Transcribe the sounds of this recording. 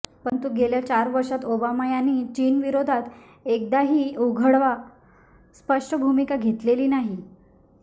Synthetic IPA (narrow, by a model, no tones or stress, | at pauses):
pəɳt̪uɡeljat͡ɕaɾʋəɾʂat̪obamajaniːt͡ɕiːnʋiɾod̪ʱat̪ | ek̚d̪aɦiːoɡʱəɽʋa | spəʂʈəbʱumikaɡʱet̪leliːnaɦi